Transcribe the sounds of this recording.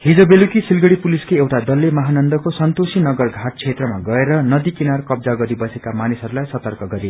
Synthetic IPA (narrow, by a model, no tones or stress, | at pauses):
hid͡zʌbelukisilɡʌɽipuliskeewʈad̪ʌlːemʌɦanʌnd̪ʌkosʌnt̪osinʌɡʌrɡʱaʈ̚t͡sʰet̪rʌmaɡʌeɾʌnʌd̪ikinarkʌb̚d͡zaɡʌɾibʌsekamanisɦʌɾulajsʌt̪ʌrkʌɡʌɾi